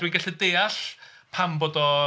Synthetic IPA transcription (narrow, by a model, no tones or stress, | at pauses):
d̥wiŋɡaɬɛdeːaɬpʰamboːdɔ